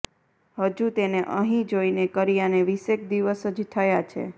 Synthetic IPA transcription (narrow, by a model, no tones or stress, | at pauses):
həd͡ʒut̪eneʔəɦĩd͡ʒoinekəɾijaneʋisekd̪iʋəsəd͡ʒt̪ʰəjat͡ʃʰḛ